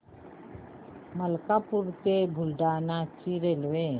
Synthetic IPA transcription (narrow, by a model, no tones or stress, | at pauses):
məlkapuɾt̪ebʱʊlɖaːnat͡ʃiɾelwe